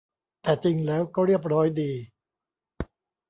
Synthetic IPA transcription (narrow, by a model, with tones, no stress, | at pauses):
t̪ɛː˨˩t͡ɕi˧ŋlɛː˦˥wkɔː˥˩ɾi˥˩əp̚ɾɔː˦˥jdiː˧